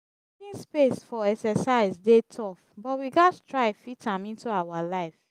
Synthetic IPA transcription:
kĩnspesfɔɛksɛsaɪzdetʰɔfbɔtwiɡattʰɹaɪfitãmĩntuawalaɪf

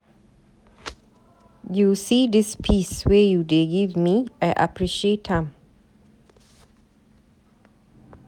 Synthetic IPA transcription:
jusiːdɪspʰiswejudeɡivmiæʔa̰pʰɹiʃethãm

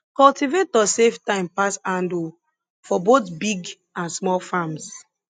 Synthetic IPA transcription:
kɔltivetɔseftãɪ̃mpasãndu | fɔbotbiɡ | ãnsmɔlfãms

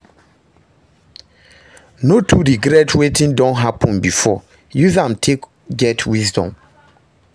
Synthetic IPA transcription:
notʰudiɡɾetʰwetʰĩndɔ̃nɦapʰɔ̃nbifɔ | juzãmtʰek | ɡɛtʰwizdɔ̰̃m

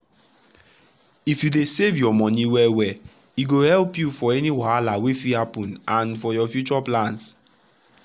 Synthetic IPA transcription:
ifjudesevjɔmɔniwɛwɛ | iɡohɛlpjufɔɛniwaalawefihapɔ̃nãnfɔjɔfjut͡ʃɔplãns

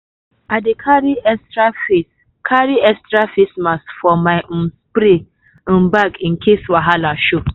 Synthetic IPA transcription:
adekʰaɾiɛstɾafis | kʰaɾiɛstɾafismastfɔmaɪʔnspɾit̩ | n̩baɡĩn̩kʰeswaɦalaʃo

